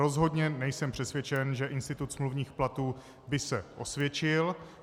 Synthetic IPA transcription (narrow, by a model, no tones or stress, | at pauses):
o̞zɦo̞dɲɛnɛjsɛmpr̥ɛsvjɛt͡ʃɛnʒɛʔɪnst̪ɪt̪ut̪smluvɲiːxplat̪uː | bɪsɛʔo̞̰svjɛt͡ʃɪl